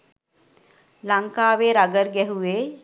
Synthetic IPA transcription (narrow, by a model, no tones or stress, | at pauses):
laŋkaːʋeːɾaɡəɾɡɛɦuʋeː